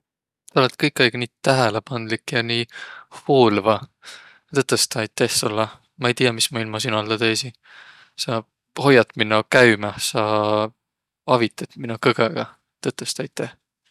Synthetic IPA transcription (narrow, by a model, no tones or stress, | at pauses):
t̪ɑolet̪kɤjkːˑɑjɡ̥niːt̪æɦelepɑnd̪likːˑjɑniːhuːlvɑ | t̪ɤt̪ːˑest̪ɑɑjt̪ːˑehsulːɑ | mɑejt̪ijɑmismɑilmɑsinɑld̪̥ɑt̪ejsin | sɑ | ho̞jɑt̪minːokæɥmɑsɑ | ɑvit̪ːˑɑt̪minːukɤɡ̥eɡ̥ɑ | t̪ɤt̪ːˑest̪ɑjt̪ːˑæh